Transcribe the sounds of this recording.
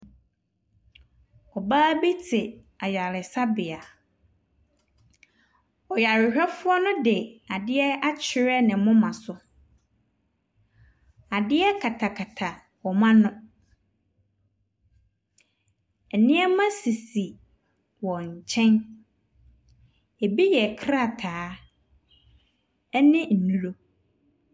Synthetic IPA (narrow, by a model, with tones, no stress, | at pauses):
ɔ˨baː˦bi˦tʰɪ˨ | a˨ɥa˨lɪ˨sa˦bɪ˨a˨ | ɔ˨ja˨ɾɪ˨ɦɛ˦fʊ˦ɔ˦nʊ̃˦dɪ˨a˨dɪ˦ɛ˦a˦t͡ɕʰɪ˨ɾɛ˦nɪ̃˨mʊ̃˦mã˨sʊ˦ | a˨dɪ˦ɛ˦kʰa˨tʰa˨kʰa˨tʰa˨ | wɔ˨mã˦nʊ̃˦ | ɛ˨nɪ̃˦ɛ˦mã˦si˨si˨ | wɔ˨ɲ̩˨t͡ɕʰɛ̃˦n | e˨bi˦jɛ˨kʰɾa˦˨tʰaː˨˦ | ɛ˦nɪ̃˦n̩˨nũ˨lo˦